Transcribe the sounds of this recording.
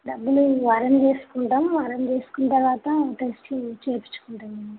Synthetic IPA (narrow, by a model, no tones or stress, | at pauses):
ɖɐbːuluʋaːɾɐmd͡ʒe̞ːsu̥kuɳʈamʋaːɾɐnd͡ʒeːsu̥kunt̪ɐɾʋaːt̪ɐʈesʈit͡ʃeːpi̥t͡ʃːu̥kuɳʈɐn